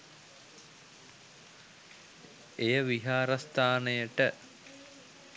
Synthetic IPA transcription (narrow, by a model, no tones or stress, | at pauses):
ejəʋiɦaːɾɐst̪aːnejəʈə